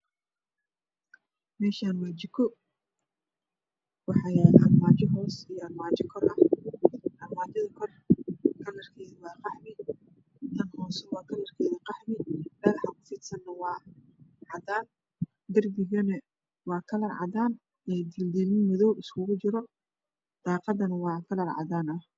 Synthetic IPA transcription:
mɛːʃaːnwaːt͡ʃɪkʰɔ | wɑħɑjɛɐrmaːt͡ʃɪɦɔːsijɔʔɐrmaːt͡ʃɪkʰɔrʔɐh | ʔɐrmaːt͡ʃɐðɐkʰɔr | kʰɐlɐrkʰɛːðɐwɑːqɑħmɪ | t̪ʰɐnhɔːsɐwɑːkʰɐlɐrkʰɛːðɐqɑħmɪmɛlħɑkʰʊ̥fɪt̪sɐnnɐwɑː | ʕɑðaːn | d̪ɐrbɪɣɐnɐ | wɑːkʰɐlɐrʕɑ̰ðaːn | ɛːd̪ɪld̪ilmɪmɔðɔwɪskʰʊɣʊt͡ʃɪɾɔ | d̪̥ɑːqɑd̪ɐnɐwɑːkʰɐlɐrʕɑ̰daːnɐh

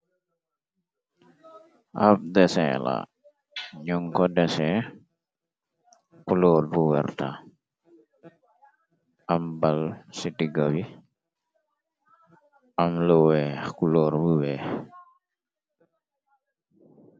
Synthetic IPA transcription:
ʔa̰b̚dɛsɛ̰la̰ | ɲuŋkɔdɛsɛ | kulɔːɾbuwɛɾta | ambalsitiɡawi | amlɔwɛkulɔɾbuwɛ

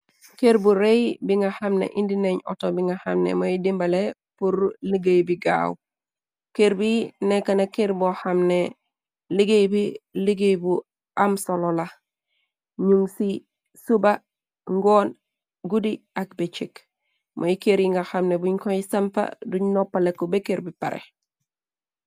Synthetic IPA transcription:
keɾbuɾejbiŋɡahamnḛʔindineɲo̰tobiŋɡahamnḛmojidimbale | puɾliɡejbiɡa̰w | keɾbinekanakeɾbohamne | liɡejbiliɡejbu | amsolola | ɲuŋsi | suba | ŋɡoːn | ɡudiak̚bet͡ʃik | mʔojikeɾjiŋɡaxamnebuɲkoisampa̰duɲnopːalekːobekeɾbipa̰ɾʔḛ

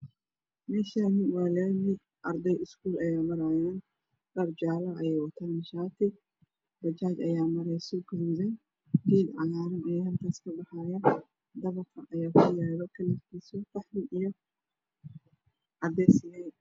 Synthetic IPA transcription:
mɛːʃanɪwɑːlɛnɪ | ʔɐrd̪ɐjɪskʰuːlʔɐjaːmɐɾaːjaːn | ɡɐɾd͡ʒaːlɐʔɐjɛːjwɐt̪ʰaːmɪʃaːt̪ʰɪ | bɐt͡ʃaːt͡ʃɐjaːmɐɾɛjsɔɡʊɾuːðɛn | d̪iːd̪ʕɑjaːɾɐnɛːɐlkʰaːskʰɐbɑħaːjɐ | d̪ɐβɐkʰɐʔɐjaːkʰʊjɛːlɔkʰɐlɪfkʰiːsɔqɑħlɪʔijɔ | ʕɑd̪ɛjsɪlɛ

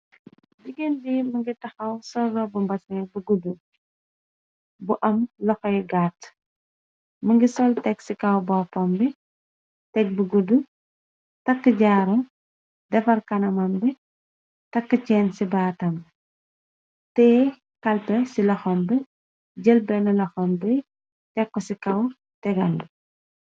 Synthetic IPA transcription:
ɟiɡendimɐŋɡitɐxɐwsɔrɔbumbɐsɐbuɡudu | buʔɐmlɔxɔjɡat | mɐŋɡisɔltɛksikɐwbɔːpɔmbɛ | tɛk̚buɡudu | tɐkːəɟaːɾɐm | dɛfɐrkɐnɐmɐmbɛ | tɐkːəcɛːnsibaːtɐm | tɛː | kɐlpɛsilɐxɔmbɛ | ɟəlbɛnɐlɐxɔmbɛ | tɛkːɔsikɐw | tɛɡɐl

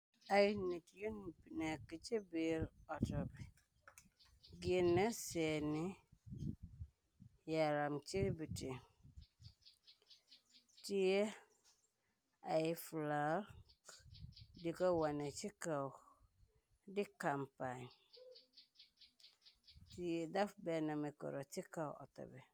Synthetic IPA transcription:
ajɪnitjonbinakit͡ʃɛbeːɾɔtɔbɛ | ɡɪenːasɛnɪ | jaɾamt͡ʃɪɾbitɪ | tɪjɛ | ajɪfla | dɪkɔwanɛ̃t͡ɕʰɪkaw | dɪkampan | tiɛdafbɛnãmɛ̃kɔ̰ɾɔtʰɪkawʔɔ̰tʰɔ̰bɛ

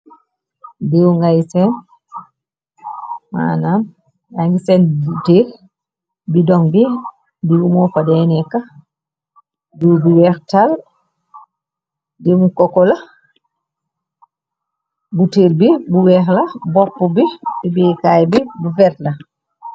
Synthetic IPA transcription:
diwuŋɡajsɛn | ma̰ːnam | jaŋɡisɛnbuteːl | bidɔŋbi | diwumɔfadɛnɛkːa | diwbiwɛɾtal | dimukɔkɔla | buteːlbibuwɛxlabɔpːubidibikajbibufɛɾtla

